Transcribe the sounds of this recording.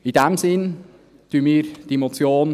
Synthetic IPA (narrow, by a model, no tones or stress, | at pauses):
ɪdɛmzɪn | t̪yənmiːɾd̥iemot͡sjoːn